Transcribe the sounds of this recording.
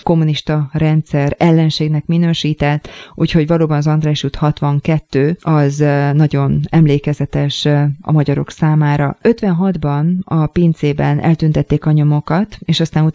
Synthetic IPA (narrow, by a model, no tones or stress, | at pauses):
ko̞mːuniʃt̪ɒrɛnt̪sɛɾɛlːɛnʃeːɡnɛkminøːʃiːt̪ɛt̪ːʔuːcho̞ɟvɒloːbɒnɒzɒnd̪ɾaːʃut̪hɒt̪ʋɒŋkɛt̪ːøːɒznɒɟo̞nɛmleːkɛzɛt̪ɛʃɒ̰mɒɟɒɾo̞̰ksaːmaːɾɒø̞t̪ʋɛnɦɒd̪bɒnɒpeːnt̪zeːbɛnʔɛ̰lt̪ynt̪ɛt̪ːeːkɒɲo̞mo̞kɒt̪eːʃɒst̪aːnu